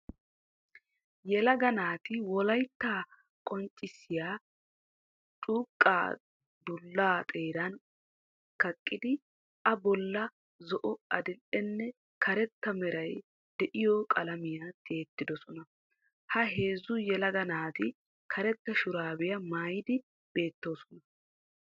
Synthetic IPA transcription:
jɛlɐɡɐnaːt̪ɪwɔlɐjt̪ːaː | kʼɔnt͡ʃʼːɪsːɪjaː | t͡ʃʼuːkʼːa̰ː | d̪ʊlːaːt̪ʼe̞ːɾɐn | kɐkʼːɪd̪ɪ | ʔɐbɔlːɐ | zɔʔɔɐd̪ɪlʔɛnːɛ | kʰɐɾɛt̪ːɐmɛɾɐj | d̪̥ɛʔɪjɔkʼɐlɐmɪjat̪ʰe̞ːt̪ːɪd̪ɔsɔnɐ | hɐɦe̞ːzʊjɛlɐɡ̪ɐnaːt̪ɪ | kʰɐɾɛt̪ːɐʃʊɾaːbɪjɐmaːjɪd̪ɪ | be̞ːt̪ːo̞ːsɔ̥nɐ

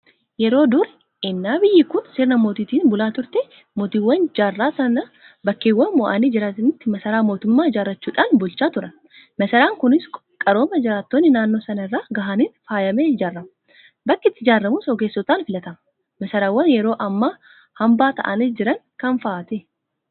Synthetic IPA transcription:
jɛɾo̞ːd̪ʊɾɛ | ɪnːaːbɪjːɪkʊnsɪɾnɐmoːt̪iːt̪iːnbʊlaːt̪ʊɾt̪ɛ | mot̪iːwːɐnd͡ʒaːrːaːsɐnɐ | bɐkːeːwːɐnmʊʔa̰ːniːd͡ʒɪɾat̪nɪt̪ːɪmɐsɐɾaːmo̞ːt̪ʊmːaːd͡ʒaːrːɐt͡ʃːuːᶑaːnbʊlt͡ʃːaːt̪ʊɾɐn | mɐsɐɾaːŋkʊnɪs | kʼɐɾo̞ːmɐd͡ʒɪɾaːt̪ːoːnːɪnaːnːo̞ːsɐnɐɪrːaːɡɐɦaːniːnfaːjɐmeːd͡ʒaːrːɐmɐ | bɐkːɪt̪ːɪd͡ʒaːrːɐmʊsɔɡeːsːɔt̪aːnfɪlɐt̪ɐmɐ | mɐsɐɾaːwːɐnjɛɾo̞ːʔɐmːa | hɐmbaːt̪ɐ̰ʔɐnɪsd͡ʒɪɾɐŋ | kɐnfaːt̪ɛ

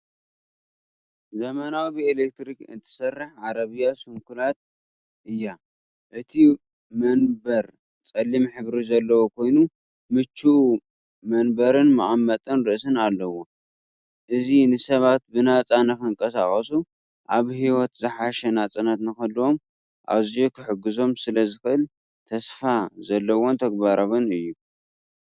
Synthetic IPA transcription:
zɐmanawbielek̚t̪ɾikɨ̰nt̪ʰɨ̥sɐrːɨħʕaɾɐβɨjasumkʰulat̪̚ | ʔɨjːa | ʔɨt̪ʰi | mɐnbɐɾ | t͡sʼɐlːimħɨβɾizɐlːɐwokʰo̞jnu | mɨt͡ʃːuʔu | mɐnbɐɾɨnmɨ̰ʔamːɐt̪ʼɨnɾɨʔsɨnalːɐwo | ʔɨzinɨsɐβat̪̚bɨnat͡sʼanɐkɨŋkʼɐsa̰xʼɐsu | ʔaβhiwɔt̪zɨħaʃɛnat͡sʼɨnat̪nɨxɐlːuo̞m | ʔa̰βzijokʰɨħɨɡɨzo̞msɨlɐzɨxɨʔɨl | t̪ʰɐsfazɐlːɐwo̞nt̪ʰɐɡ̚baɾɐβɐnɨjːu

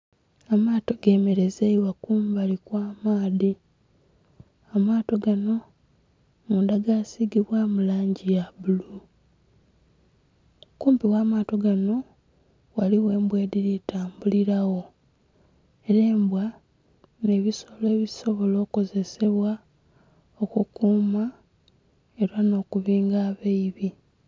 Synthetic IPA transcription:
amaːto̞ɡe̞ːme̞ɾe̞zeiwakuːmbalikwaːmaːði | amaːto̞ɡano̞ | muːndaɡasiɡiβwamulaːɲɟijaβulu | kuːmpiwaːmaːto̞ɡano̞ | waliwe̞ːmbwe̞ːdiɾitaːmbuliɾaɣo̞ | e̞ɾe̞ːmbwa | ne̞ːβisole̞βiso̞βo̞lo̞ːko̞ze̞se̞βwa | okukuːma | e̞ɾano̞ːkuβiːŋɡaːβeiβi

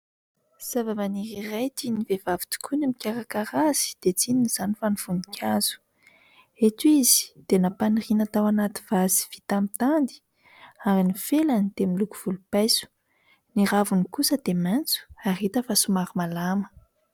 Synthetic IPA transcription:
z̥avamaniɾirajt̪inivevavi̥t̪u̥kunamikʲaɾakaɾaz̥i̥d̪̥et͡sininiz̥anifanuv̥unikʲʰaz̥u̥ | et̪izi̥d̪̥enapanirinat̪awanat̪i̥vazi̥v̥it̪amit̪and̪i̥ | aɾinifelanit̪emiluku̥v̥ulupajsu̥ | niɾavunikusəd̪̥emant͡su̥arit̪əfasumaɾimalamə̥

